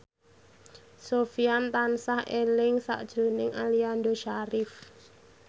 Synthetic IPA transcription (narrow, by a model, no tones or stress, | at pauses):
sofiant̪ansahelɪŋsa̰ʔd̥ʒ̥ɾo̤nɪŋʔaliand̪oʃaɾɪf